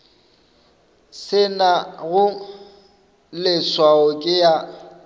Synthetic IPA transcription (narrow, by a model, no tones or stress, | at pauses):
sɪnaɣʊ | lɪswaɔkʼɪja